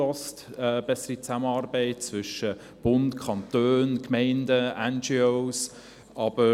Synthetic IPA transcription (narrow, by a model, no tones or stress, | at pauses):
ɔstɛb̥ɛsəɾit͡sæmənɑːɾbɛɪt̚t͡svʏʃə | b̥ʊntkʰɑntøːnkmɛɪndəɛnd͡ʒioʊs | ʔɑb̥ə